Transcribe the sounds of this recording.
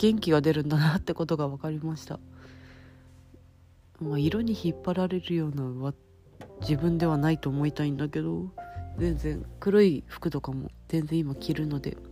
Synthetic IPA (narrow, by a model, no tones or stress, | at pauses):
ɡ̥ẽ̞ŋkʲiɡad̪e̞ɾɯ̟̃nd̪anat̪ːe̞ko̞t̪o̞ɡaβakaɾʲimaɕi̥t̪a̰ | maiɾoɲ̟içipːaɾaɾe̞ɾɯ̟jo̞ːnaβa | d͡ʑibɯ̟̃nd̪e̞β̞anait̪o̞ːmo̞it̪aĩnd̪oke̞d̪o̞zẽ̞nd͡zẽ̞ŋkɯ̟ɾɯiɸɯ̥kɯ̟t̪o̞kamo̞̰z̥ẽ̞nzẽ̞imakʲiɾɯ̟no̞d̪e̞̰